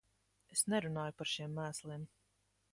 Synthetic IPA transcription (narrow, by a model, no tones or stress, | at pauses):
esnɛɾunaːjupaɾʃiɛmːæːslˠim